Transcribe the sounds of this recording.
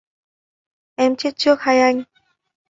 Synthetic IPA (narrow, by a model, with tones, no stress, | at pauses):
ʔɛ˧mt͡ɕe˦˥t̪̚t͡ɕɨ˦˥ək̚ha˧ja˧ɲ